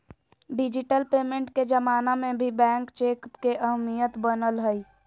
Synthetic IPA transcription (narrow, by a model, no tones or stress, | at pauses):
ɖɪd͡ʒɪʈəlpeːmẽɳʈked͡ʒəmaːnamẽbʱibɛ̃ːŋkt͡ʃeːkpkeʔəɦmijət̪bənəlɦəi